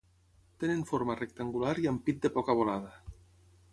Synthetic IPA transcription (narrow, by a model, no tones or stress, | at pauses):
t̪enenfoɾmarek̚t̪aŋɡulaɾiampit̪̚d̪epɔkaβ̞olaða